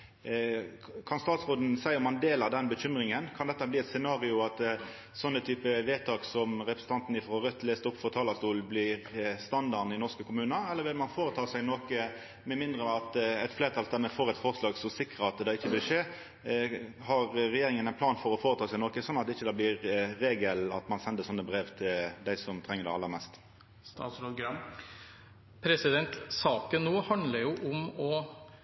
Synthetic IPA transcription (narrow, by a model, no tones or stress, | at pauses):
kʰɑnst̪ɑːt̪sʁoːd̪n̩sæɪmɑnd̪eːlɑd̪ɛnbəçʏmɾɪŋənkʰɑnd̪ɛt̪ːəbliːɛt̪sɛnɑːʁɪʊɑt̪ | sɔnːət̪ʰyːpəʋeːt̪ʰɑːksɔmʁɛpɾəsn̩t̪ɑnt̪n̩ɪfʁɔʁœt̪ːleːst̪əʊpːfɔʁt̪ʰɑːlɑst̪uːlblɪʁst̪ɑnd̪ɑʁnɪnɔʁskəkʰʊmʉːnəɛlːəʁʋɪlmɑnfoːɾət̪ʰɑːsæɪnoːkə | mɛmɪnd̪ɾəɑt̪ɛt̪fleːʁt̪ʰɑlt̪ʰɛnːəfoːʁɛt̪fɔʁslɑːɡsɔsɪkʁəɑt̪̚d̪ɛɪçːəʋɪlʂeː | ɦɑʁɾɛjeːɾɪŋənæɪnpʰlɑːnfɔɾɔfoːɾət̪ʰɑːsæɪnoːkəsɔnːɑt̪ɪçːəd̪ɛːblɪʁːeːɡəlɑ̰t̪mɑnsɛnd̪əsɔnːəbɾeːʋt̪ʰɪld̪æɪsɔmt̪ʰʁɛŋːəd̪ɛ̰ɪɑlːəɾmɛːst̪ | st̪ɑ̰sɾoɡɾ | pʰɾɛsɪd̪ɛnt̪sɑːkənːuːhɑnd̪ləɾjʊʔʊmɔ